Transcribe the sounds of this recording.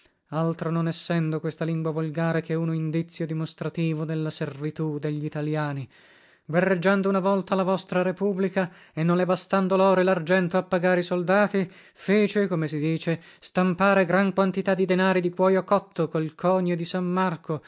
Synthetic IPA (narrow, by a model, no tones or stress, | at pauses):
alt̪ɾononɛsːɛnd̪okwest̪aliŋɡwavolɡaːɾekeunoind̪it̪sːjod̪imost̪ɾat̪iːvod̪elːaservit̪ud̪eʎːit̪aljaːni | verːed͡ʒːand̪ounavɔlt̪alavɔst̪ɾaɾepublika | enːonlebast̪and̪olɔːɾelard͡ʒɛnt̪oapːaɡaːɾeisold̪aːt̪i | feːt͡ʃekomesid̪iːt͡ʃest̪ampaːɾeɡɾaŋkwant̪it̪ad̪ːid̪enaːɾid̪ikwɔjokːɔt̪ʰːokolkʰɔːɲod̪isamːarko